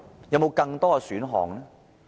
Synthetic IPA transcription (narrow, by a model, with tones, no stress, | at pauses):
jɐ˨˧wmo˨˧wkɐ˧ŋt̪ɔː˥ɐ˧syː˨˥nɦɔ̰ː˨ŋlɛː˥